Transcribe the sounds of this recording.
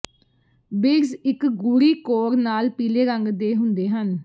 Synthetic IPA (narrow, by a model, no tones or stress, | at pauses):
bɪɡzɪkɡuɾiːkoːɾnaːlpiːleːɾəŋɡd̪eːɦʊnd̪eːɦən